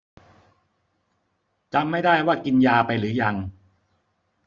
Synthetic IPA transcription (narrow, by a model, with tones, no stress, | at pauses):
t͡ɕa˧mːa˥˩jdaː˥˩jwaː˥˩ki˧njaː˧pa˧jɾɯː˩˦ja˧ŋ